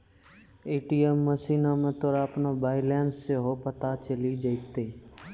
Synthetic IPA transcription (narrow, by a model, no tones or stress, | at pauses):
eːʈiːəmːəsiːnaːmẽt̪oɾaːpnoːbaːɪlɛːnsːeɦoːpət̪at͡ʃəliːd͡ʒəit̪eː